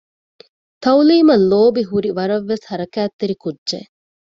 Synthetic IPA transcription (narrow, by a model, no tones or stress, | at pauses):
t̪ɐwliːmɐlːoːbiɦuɾiʋɐɾɐʋːeshɐɾɐkæːt̪ːeɾikudʒḛ